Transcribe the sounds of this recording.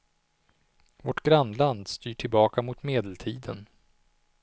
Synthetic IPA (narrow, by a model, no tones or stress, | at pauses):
vɔʈɡɾanːland̪st̪yːʈʰɪlbɑːkamʊt̪meːd̪əlt̪ʰiːd̪ə̰n